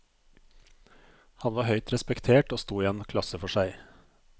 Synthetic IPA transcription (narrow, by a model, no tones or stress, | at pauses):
hɑnʋɑːhœʏt̪ɾɛspɛkt̪ʰeːʈoːst̪uːiːeːnkʰlɑsəfɔʃæɪ